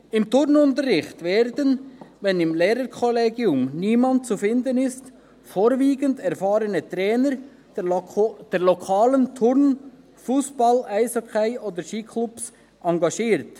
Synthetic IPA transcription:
ɪmtʊɾnʊntəɾɪχtveːɾdənvɛnɪmleːɾəɾkʰɔleːɡiʊmniːmɑnt̚t͡sufɪndənɪst | foːɾviːɡəndɛɾfɑːɾənət̪ɾɛːnəɾ | d̥ɛːɾlɔkʰɑːləntʰʊɾn | fuːsb̥ɑlaɪsɔkʰaɪʔoːdəʃiːkʰlups | ʔɑŋɡɑʃiːɾt

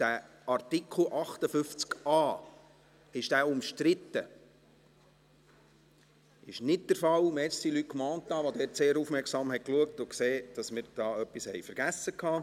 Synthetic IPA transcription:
d̥æ | ɑrtikʰl̩ʔɑχt̪əfʏft͡skɑː | ɪʃd̥æːʊmʃtɾɪt̪ːə | ɪʃnɪt̚d̥əɾfɑlmɛt͡ssdilyt̚kmɑːnt̪ːɑːʋod̪ɛːɾtseːɾufmɛɾksɑmɦɛkluək̚tʊkseːd̥ɑsmɪɾd̥ɑːœpːishɛjfəɾɡ̥æsːəkʰːɑː

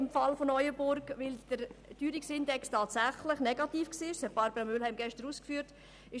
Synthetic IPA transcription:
ɪmfɑlfonɔʏəbʊɾɡʋɪld̥əɾd̥yːɾɪksɪndɛkstʰɑːtsæχlɪχnɛɡ̥ɑtiːfksiːɪʃhæb̥ɑɾb̥əɾɑmʏlhɛmɡɛʃtəɾuːskfyːɾt | ɪ

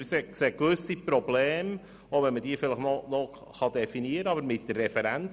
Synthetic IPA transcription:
sekseːkʋʏsipɾɔblɛːm | oʊvɛnməd̥iəfɪləχnɔnɔ | χɑd̪ɛfiniəɾəɑbəɾmɪt̚dərːɛfɛɾæn

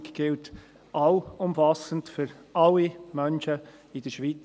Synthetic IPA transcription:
kɡ̥ɪlt | aʊʊmfɑsəntfyɾɑlːimœnʃə | ɪdəʃʋiːt͡s

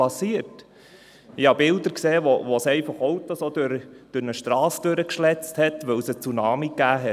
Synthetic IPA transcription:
ɑsiəɾt | ɪhɑbɪld̪əɾkseːʋoʋosɛɪfɑχɔwt̪osodøɾd̥ʉɾnəʃt̪ɾɑːsd̥øɾəkʃlɛt͡sthɛtʋɵwsət͡sunɑːmikːæːɦɛ

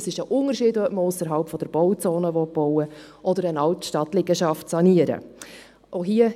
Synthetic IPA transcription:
sɪʃəʔʊnəɾʃiːdœpməʊsəɾɦɑlpfɔd̥əɾb̥ɔwt͡soːnəʋɔt̚b̥ɔʊwə | ʔɔdəɾənɑltʃtɑtlɪɡəʃɑftsɑniəɾə̰ | ʔoɦiə

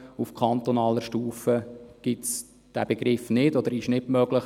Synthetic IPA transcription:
ufkʰɑnt̪ɔnɑːləʃtuːfəɡ̥ɪts | d̥æb̥eɡɾɪfnɪdɔd̪əɾɪʃnɪbmœɡlɪχ

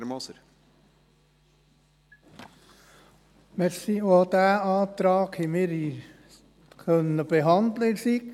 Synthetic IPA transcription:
mɔsəɾ | mɛɾsioːd̪̥æːɑːt̪ɾɑːkhimɪːɾi | kʰœnəb̥eɦɑnd̪ləsik

